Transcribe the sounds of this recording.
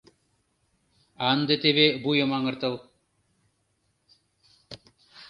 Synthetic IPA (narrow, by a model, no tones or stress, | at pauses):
aːnd̪et̪ebebujomaŋəɾt̪ɐw